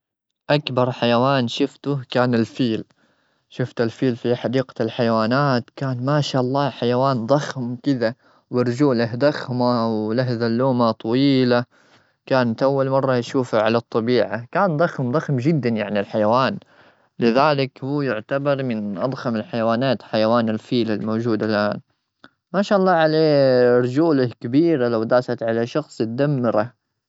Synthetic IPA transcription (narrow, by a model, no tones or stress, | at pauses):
ʔakbɑɾˤħajawaːnʃʊft̪ʊkaːnɪlfiːl | ʃʊft̪ɪlfiːlfiħɑd̪iːqḁlħajawaːnaːt̪kaːnmaːʃaːʔɑlˤːɑːħajawaːnd̪ˤɑxmkɪða | wɪɾˤd͡ʒuːlahd̪ɑxmawlaɦðalːuːmat̪ˤɑwiːla | kaːnat̪ʔawːalmɑrˤːɑjaʃuːfaʕalat̪ˤːɑbiːʕakaːnd̪ˤɑxmd̪ˤɑxmd͡ʒɪd̪ːanjaʕnilħajawaːn | lɪðaːlɪkhuːjʊʕt̪abɑɾˤmɪnʔɑ̰d̪ˤxamɪlħajawaːnaːt̪ħajawaːnalfiːlalmoːd͡ʒuːd̪alʔaːn | maːʃaːʔɑlˤːɑːʕaleːɾˤd͡ʒuːlahkabiːɾalawd̪aːsat̪ʕalaʃɑxsˤʊt̪̚d̪amːɪɾa